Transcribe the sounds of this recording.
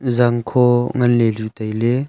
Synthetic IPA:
zaŋkʰɔŋɐnlelutajle

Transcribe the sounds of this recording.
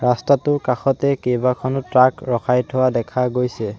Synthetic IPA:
ɹastatʊkaxɔtɛkejbakʰɔnɔtɹakɹɔkʰajtʰowadɛkʰaɡojsɛ

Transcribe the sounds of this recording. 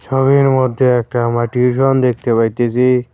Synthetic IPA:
ʃʰɔbiɾmod̪ʱːeɛk̚ʈamaʈiuʃond̪ek̚t̪epajt̪esʰi

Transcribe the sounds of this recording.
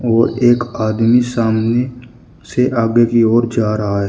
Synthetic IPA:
ɔːɾeːkaːd̪misaːmne | seʔaːɡekiɔːɾd͡ʒaːɾəɦaɦɛː

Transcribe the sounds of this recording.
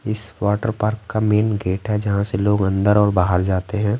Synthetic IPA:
ɪsʋaːʈəɾpaːɾkːameːnɡeːʈɦɛd͡ʒɐɦãseloːɡɐ̃nd̪əɾɔːɾbaːɦəɾd͡ʒaːt̪eɦɛ̃ː

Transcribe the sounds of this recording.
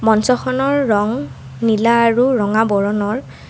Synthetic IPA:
mɔnsɔxʰɔnɔɹːɔŋ | nilaːɹuɹɔŋabɔɹɔnɔɹ

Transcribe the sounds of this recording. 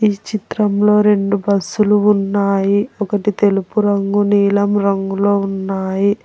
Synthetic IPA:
iːt͡ʃit̪ɾɐmlo̞ːɾe̞ɳɖubɐsːuluːnːaːjiɔkɐʈit̪e̞lupuɾɐŋɡuniːlɐmɾɐŋɡuloːunːaːji

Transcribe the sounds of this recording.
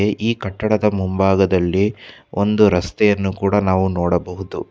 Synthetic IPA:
eʔiːkɐʈːɐɽɐd̪ɐmumbaːɡɐd̪ɐlːiond̪uɾɐst̪ɛjɐnːukuːɽɐnaːʋunɔːɽɐbɐɦud̪ṵ

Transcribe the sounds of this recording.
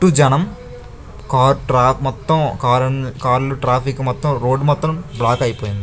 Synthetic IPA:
ʈːud͡ʒɐnɐm | kaːɾʈɾaːmɔt̪ːɐmkaːɾɐnkaːɾluʈɾaːpʰikmɔt̪ːɐmɾo̞ːɖmɔt̪ːɾɐmblaːkɐjipoːjind̪ii

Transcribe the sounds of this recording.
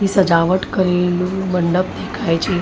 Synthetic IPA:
ɦiːsəd͡ʒaʋəʈkəɾelũməɳɖəpd̪ʱekʰajt͡ɕi

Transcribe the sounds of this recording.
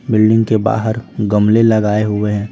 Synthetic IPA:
bɪlɖɪ̃ŋɡkeba̰ːɦəɾɡəmlelɐɡaːeɦʊweɦɛ̃ː

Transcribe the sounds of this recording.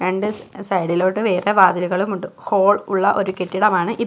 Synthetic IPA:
eɳɖɨsɐjɽilo̞ːɽːɨʋe̞ːreʋaːd̪iluɣɐɭumuɳɖuho̞ːɭuɭːɐʔo̞ɾukeʈːiɽɐmaːɳɨʔi

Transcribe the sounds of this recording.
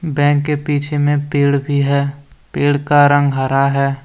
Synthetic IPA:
bɛ̃ːŋkːepiːt͡ʃʰemẽpeːɽbʱiɦɛːpeːɽkaɾə̃ŋɡɦəɾaɦɛː

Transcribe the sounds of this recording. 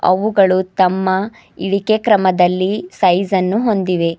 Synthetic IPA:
ɐ̰ʋuɡɐɭut̪ɐmːɐ | iɽikekɾɐmɐd̪ɐlːisɐjzɐnːuɦo̞nd̪iʋe̞

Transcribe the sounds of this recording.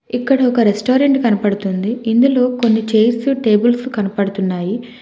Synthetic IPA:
ikːɐɽɐɔkɐɾesʈoːɾeɳʈkɐnɐpɐɽut̪und̪iind̪ulo̞ːko̞nːit͡ʃejɾsuʈe̞ːbulsukɐnɐpɐɽut̪unːaːji

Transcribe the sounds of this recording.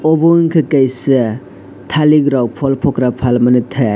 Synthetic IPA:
ɔbɔŋkʰɯkajsɯ | tʰaliɡɾawpʰɔlpʰɔkɾapʰalmɐnɯtʰɐ

